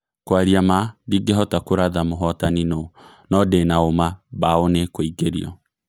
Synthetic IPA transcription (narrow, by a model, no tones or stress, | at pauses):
kwaɾiamadiɡɛɦɔtakoɾaðamoɦɔtanino | nɔdenaomabaonekoiɡeɾḭɔ̰